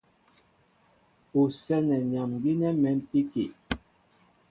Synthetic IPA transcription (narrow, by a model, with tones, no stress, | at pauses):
u˨sɛ˦nɛ˨ɲ˨a˨mɡi˦nɛ˦mɛ˨˦m˦pi˦ki˨